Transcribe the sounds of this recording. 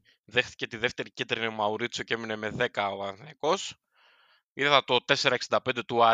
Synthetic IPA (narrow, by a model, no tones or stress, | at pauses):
ðe̞xθi̥ce̞t̪iðe̞ft̪e̞ɾicet̪ɾinemɐuɾit͡sjocemine̞me̞ðe̞kɐoɐnθeko̞s | iðeθɐt̪o̞t̪e̞se̞ɾɐeksind̪ɐpend̪et̪uɐ